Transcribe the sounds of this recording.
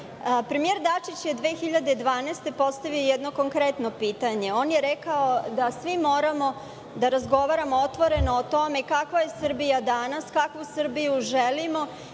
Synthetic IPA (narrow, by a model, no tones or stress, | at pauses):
pɾemijeɾd̪at͡ʂit͡ɕje̞d̪ʋeːxiʎad̪ed̪ʋaːnest̪e̞po̞st̪aʋiojɛd̪no̞ko̞ŋkɾet̪no̞piːt̪aɲe̞o̞ːnjeɾɛkaod̪asʋimo̞ːɾamo̞ | d̪aɾazɡo̞ʋaɾamoot̪ʋo̞ɾe̞noːt̪o̞mekakʋaje̞sr̩bijad̪anaskakʋusr̩bijuʒelimo̞